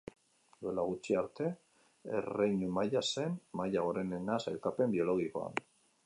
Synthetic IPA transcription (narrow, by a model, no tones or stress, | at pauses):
d̪ue̞laɣut͡ʃiaɾt̪e̞ | ḛrejɲumajase̞nmajaɣ̞o̞ɾe̞nenasajlkape̞mbio̞lo̞ɣ̞iko̞a̰n